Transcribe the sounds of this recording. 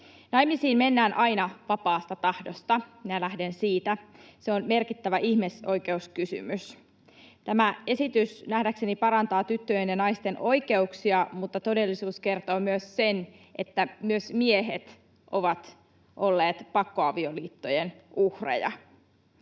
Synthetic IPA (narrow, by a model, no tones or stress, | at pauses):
nɑjmisiːmme̞nːæːnʔɑjnɑʋɑpɑːst̪ɑt̪ɑhdo̞st̪ɑminælæhde̞nsiːt̪æseonme̞rkit̪ːæʋæʔiçhmiso̞jke̞uskysy̰mys | t̪æmæe̞sit̪ysnæhdækse̞nipɑɾɑnt̪ɑːt̪yt̪ːøjenjɑnɑjst̪enʔo̞jke̞uksiɑmut̪ːɑt̪o̞de̞lːisuːske̞rt̪oːmyøsːe̞nʔe̞t̪ːæmyøsmieɦet̪ | ʔoʋɑt̪ | ʔo̞lːeːt̪pɑkːo̞ɑʋio̞liːt̪ːo̞jenʔuhrḛjɑ̰